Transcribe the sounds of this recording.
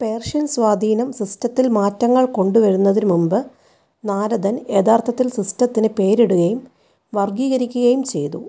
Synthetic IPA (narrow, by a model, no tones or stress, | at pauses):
pe̞ːrʂɐnsʋaːd̪ʱiːnɐmsristɐt̪ːilmaːtːɐŋːɐɭko̞ɳɖuʋɐɻunːɐðinmumbɨ | naːɾɐd̪ɐneːd̪aːrt̪ʰɐt̪ːilsristɐt̪ːinɨpe̞ːɾeɽuɣɐjum | ʋɐrɡiːɣɐɾikʲːuɣɐjumt͡ɕe̞̰jt̪u